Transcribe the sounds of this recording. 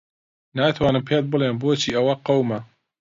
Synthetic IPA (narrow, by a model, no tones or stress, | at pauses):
naːt̪ʰwaːnɨmpʰeːt̪̚bɨleːnboːt͡ʃʰiːʔɐwɐqɐwmɐ